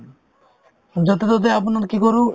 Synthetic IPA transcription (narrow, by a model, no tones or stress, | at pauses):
d͡ʒot̪̬et̪ot̪̬eapnaɾkikoɾu